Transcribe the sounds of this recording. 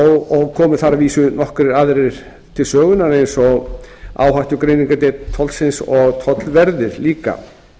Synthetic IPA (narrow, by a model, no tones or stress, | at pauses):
ɔɣɔɣkʰɔːmʏθaɾaviːsʏnɔhkɾɪɾaðɾɪɾ̥ | t̪ʰɪlsœːɣʏnaɾejnsɔɣa̰ːwɦaht̪ʏkɾejniŋkat̪ejt̪t̪ʰːɔlsɪnsɔɣt̪ʰɔt̪lvɛɾðɪɾliːka̰